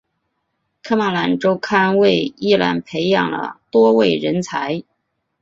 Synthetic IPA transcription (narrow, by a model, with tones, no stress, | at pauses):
kʰɤ˥ma˧˥˩la˧˥nʈ͡ʂo˥ʊkʰa˥nwe˥˩ɪi˥˩la̰˧˥npʰe˧˥ɪjɑ̰˨˩ŋlə̰˩t̪wɔ˥we˥˩ɪɻə˧˥nt͡sʰa˧˥ɪ